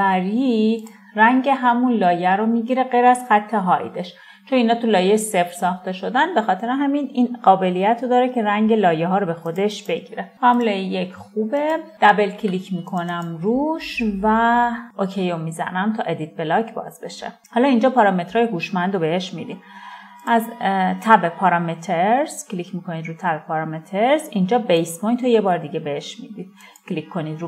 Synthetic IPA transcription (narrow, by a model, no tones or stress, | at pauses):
æɾid̪ | ræŋɟe̞ɦæmunlɒːjæɾomiɟiɾe̞ɡejɾæz̥xæt̪ʰːeɦɒḭd̪eʃ | t͡ʃʰoniːnɒːt̪ʰulɒːjejese̞fɾsɒːxt̪e̞ʃo̞d̪ænbe̞xɒːt̪ʰe̞ɾeɦæmininɢɒːbe̞lijæt̪ʰɾod̪ɒːɾecʰe̞ɾæŋɟe̞lɒːjeɦɒːɾobe̞xo̞d̪e̞ʃb̥e̞ɟiɾepæmlɒːjejecʰxubed̪̥æbe̞lcʰilicʰmiːkʰonæmruːʃvæʔocʰejomizæ̰næmt̪ʰɒ̰ːʔed̪it̪̚be̞lɒcʰbɒ̰ːzbe̞ʃḛhɒːlɒind͡ʒɒːpʰɒːɾɒme̞t̪ɾɒːjeɦuːʃmænd̪obeheʃmid̪id̪ | ʔæzt̪ʰæbe̞pʰɒɾɒmet̪ʰeɾzclicʰmiːkʰo̞nid̪ɾuːt̪ʰæbepʰɒɾɒmet̪ʰeɾsind͡ʒɒːbejsboj̪t̪ʰɒjebɒːɾd̪iɡɟebeheʃmid̪id̪ | cʰlikʰːo̞niːd̪ɾu